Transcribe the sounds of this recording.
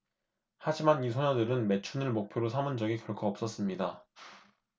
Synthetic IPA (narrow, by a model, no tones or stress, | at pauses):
had͡ʑimanisʰʌɲʌdɯɾɯnme̞t͡ɕʰunɯɭmok̚pʰjoɾosʰamɯnd͡ʑʌɡikjʌɭkʰoʌp̚s͈ʌs͈ɯmɲida